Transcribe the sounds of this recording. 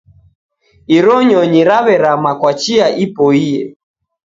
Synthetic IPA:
iɾɔɲɔɲiɾaβɛɾamakwat͡ʃiaʔipɔiɛ̰

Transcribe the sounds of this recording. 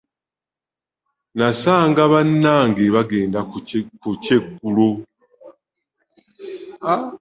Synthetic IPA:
nasaːŋɡaβanːaːŋɡeβaɡe̞ːndakucekːulo

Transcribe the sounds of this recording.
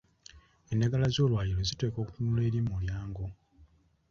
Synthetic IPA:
e̞ndaɡalazo̞ːlwaːliɾo̞zite̞ːko̞ːku̥tunule̞ːɾimuljaːŋɡo̞

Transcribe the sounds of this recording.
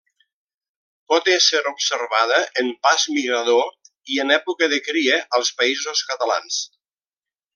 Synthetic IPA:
pɔt̪eseɾupseɾβaðəʔəmpazmiɣɾaðo | iənɛpukəðəkɾiəʔəlˠspəizoskət̪ala̰ns

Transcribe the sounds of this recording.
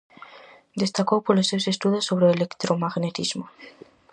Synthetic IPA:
d̪e̞st̪akopolesewsest̪uðosːo̞βɾeːle̞kt̪ɾomaɣne̞t̪izmo

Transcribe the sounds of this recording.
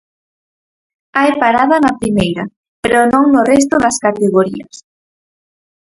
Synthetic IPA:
ajpaɾaðɐnapɾimejɾa | peɾonõŋnʊrɛs̬t̪ʊðɐskat̪eɣoɾiɐ̰s

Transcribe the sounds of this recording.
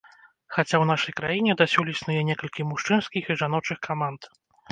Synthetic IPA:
xat͡sʲawnaʂɐjkɾajinʲɛd̪asʲulʲisnujɛnʲɛkɐlʲkʲimuʂt͡ʂɨnskʲixiʐan̪ɔt͡ʂɨxkamant̪

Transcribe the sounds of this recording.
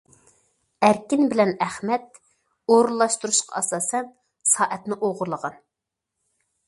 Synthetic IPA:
æɾkʲinbɪlɛnæχmɛt̪ | oɾulˠːɑʃt̪uɾuʃqʰɑ̰ɑsɑːsɛn | sɑːʔɛt̪nɪʔoʁʊɾlˠəʁɑn

